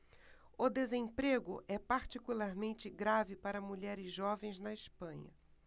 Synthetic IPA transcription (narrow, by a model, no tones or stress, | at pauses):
ʊd̪ezẽpɾeɡʊʔɛpaɾt͡ʃikulaɾmẽnt͡ʃɪɡɾavɪpaɾɐmuʎɛɾɪzʒɔvẽj̃znɐɪspɐ̃ɲɐ̰